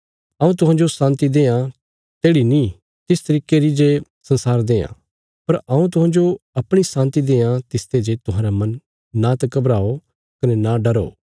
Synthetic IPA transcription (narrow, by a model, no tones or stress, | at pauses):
ɐːũt̪ʊɦãːd͡ʒosãːnt̪id̪eːã | t̪eːɽinĩ | t̪ɪst̪ɐɾiːkeɾid͡ʒe | sɐ̃nsaːɾd̪eːã̰ː | pɐɾɐũt̪̬ʊɦãːd͡ʒoɐpɽ̃isãːnt̪id̪eːãt̪ɪst̪ed͡ʒet̪ʊɦãːɾamɐ̃nː | at̪ɐkɐbɾaːo | kɐnɛnaɖɐɾo̰ː